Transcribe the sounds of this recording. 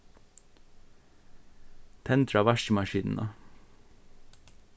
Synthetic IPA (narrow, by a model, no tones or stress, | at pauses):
t̪ʰɛnt̪ɾɑʋæʃəmɑʃiːnn̩ʔəɑ